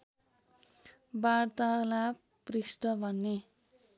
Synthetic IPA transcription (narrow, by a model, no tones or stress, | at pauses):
baɽt̪ala | prisʈʌbʱʌnːe